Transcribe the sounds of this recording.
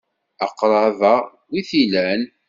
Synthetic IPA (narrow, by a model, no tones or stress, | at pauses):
ɑqːɾˤɑvæ | wiθilæn